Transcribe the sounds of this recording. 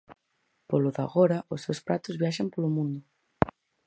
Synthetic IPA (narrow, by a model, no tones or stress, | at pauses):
poloða̰ɣoɾaosːewspɾat̪ozβjaʃampolomũnd̪o